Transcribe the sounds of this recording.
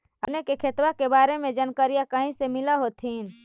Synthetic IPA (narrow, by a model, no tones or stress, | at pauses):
ənekekʰet̪wakebaːɾemẽd͡ʒənkəɾijakəɦĩsemɪlaɦoːt̪ʰiːn